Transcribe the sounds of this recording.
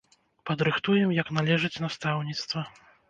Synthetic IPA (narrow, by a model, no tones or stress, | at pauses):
pɐd̪ɾɨxt̪ujɛmjɐknalʲɛʐɨt͡sʲnast̪awnʲit̪st̪vɐ